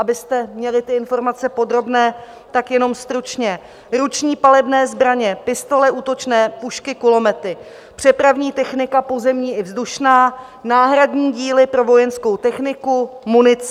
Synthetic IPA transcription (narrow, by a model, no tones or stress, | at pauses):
ʔabɪst̪ɛmɲɛlɪt̪ɪɪnfo̞ɾmat͡sɛpo̞d̪ɾo̞bnɛː | t̪akjɛno̞mst̪ɾut͡ʃɲɛ | ɾut͡ʃɲiːpalɛbnɛːzbɾaɲɛpɪst̪o̞lɛʔuːt̪o̞t͡ʃnɛːpuʃkɪkʊlo̞mɛt̪ɪ | pr̝̥ɛpɾavɲiːt̪ɛxnɪkapo̞zɛmɲiːʔɪvzduʃnaː | naːɦɾadɲiːɟiːlɪpɾo̞vo̞jɛnsko̞wt̪ɛxnɪkumunɪt͡s